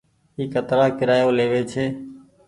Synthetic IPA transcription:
iːkət̪ɾaːkɪɾaːjoːleːʋeːt͡ʃʰeː

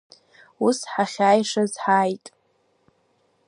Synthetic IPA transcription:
usħaχʲaːjʂazħajtʼ

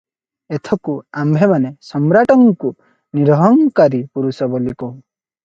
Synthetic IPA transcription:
et̪ʰɔkuambʱemanesɔmɾaʈɔŋku | niɾɔɦɔŋkaɾipuɾusɔbɔliko

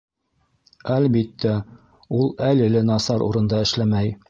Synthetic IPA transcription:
ælbit̪ːæ | ulˠælɘ̆lɘnɑsɑɾṵɾɤ̆nd̪ɑɘ̆ʃlæmæj

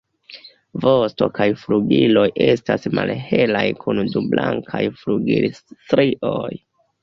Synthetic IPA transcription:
vosto̞kajfluɡilo̞jʔe̞stasmalhe̞lajkʰundublaŋkʰajfluɡiltɾiʔoj

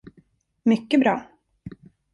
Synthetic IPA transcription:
mʏkːəbɾɑː

